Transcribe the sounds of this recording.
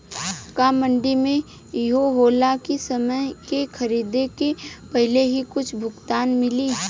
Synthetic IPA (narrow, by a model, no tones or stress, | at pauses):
kaːmə̃ɳɖimẽ | ɪɦoɦoːlakesɐməjkekʰɐɾiːd̪ekepɐɦɪleɦikʊt͡ʃʰbʱʊɡt̪aːnmɪliː